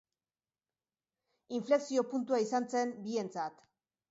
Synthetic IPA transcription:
iɱfle̞ksio̞punt̪uaisant͡se̞mbie̞nt͡sat̪

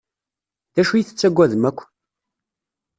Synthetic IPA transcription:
ðæʃujiθə̥t͡sːæɡʷæðəmækʷː

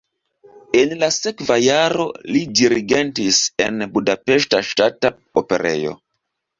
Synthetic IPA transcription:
enlasekvajaɾo̞̰lidiɾiɡentisḛnbudapeʃtaʃtata | ope̞̰ɾḛjo̞̰

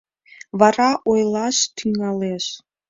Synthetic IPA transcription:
βɑɾɑʔojlɑʃt̪ʰyŋɑleʃ

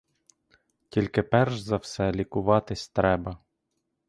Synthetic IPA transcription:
tʲilʲkɪpɛrʒzɐwsɛlʲikʊʋɑt̪ɪsʲt̪ɾɛbɐ

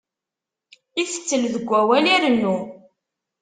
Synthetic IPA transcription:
iθə̥t͡sːəlðəɡʷːæwæliɾənːu

